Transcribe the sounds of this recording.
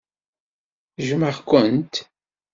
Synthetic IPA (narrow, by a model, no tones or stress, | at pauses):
ʒməʁkʷənt̪